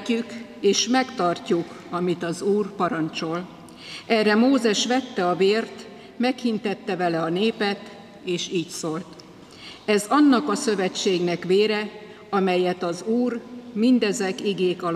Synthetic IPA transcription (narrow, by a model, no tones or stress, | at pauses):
ykeːʃmɛkt̪ɒrcukɒmit̪ɒzuːrpɒɾɒnt͡ʃo̞l | ɛrɛmoːzɛʃʋɛt̪ːɛɒveːrt̪ | mɛkhint̪ɛt̪ːɛvɛlɛɒneːpɛt̪ | eːʃiːcsoːlt̪ | ɛzɒnːɒkɒsø̞vɛt͡ʃːeːɡnɛkʋeːɾɛ | ɒmɛjɛt̪ɒzuːrmind̪ɛzɛkiɡeːkɒl